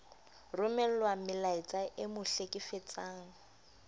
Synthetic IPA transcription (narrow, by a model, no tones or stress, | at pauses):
rʊmɛlwamɪlaɪt͡sʼaʔɪmʊɬekʼɪfet͡sʼaːŋ̩